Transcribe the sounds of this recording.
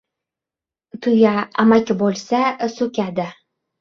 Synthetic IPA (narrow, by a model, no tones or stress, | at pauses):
t̪ʰʊjaa̰makʲɪbolʲˠsasɵkʲad̪ɪ